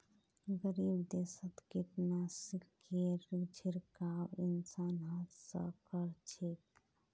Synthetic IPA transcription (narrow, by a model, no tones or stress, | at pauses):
ɡəɾibd̪esət̪keʈnasik | eɾid͡ʒʰiɾkawinsanɦət̪sə̰kəɾt͡ʃʰet̪